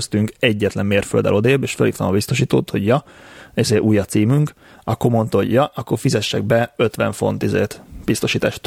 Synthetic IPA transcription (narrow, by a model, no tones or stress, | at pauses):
st̪yŋkɛɟːɛt̪lɛmːeːrføld̪ɛ̰lo̞d̪eːbeːʃfølit̪ɒmɒbist̪o̞ʃiːt̪oːt̪ho̞ɟjɒizeːʔuːjːɒt̪siːmyŋk | ɒkːomo̞nt̪ɑɦo̞̰ɟjɒʔɒkːorfizɛʃːɛɡ̚bɛøt̪ʋɛ̰ɱfo̞̰nt̪izḛːt̪b̥ist̪o̞ʃiːt̪aːʃt̪